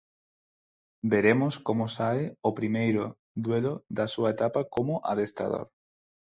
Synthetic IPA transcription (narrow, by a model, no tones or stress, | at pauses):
beɾemoskomosaeopɾimejɾo | ðweloðasuaet̪apakomoʔa̰ðest̪a̰ðo̰ɾ